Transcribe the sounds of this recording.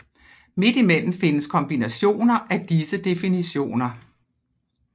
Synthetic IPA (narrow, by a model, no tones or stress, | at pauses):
me̝d̥imen̰m̩fe̝nəskʰɒ̽mb̥inæɕo̝̰ːnɐʔæd̥isəd̥e̝finiɕo̝̰ːnɐ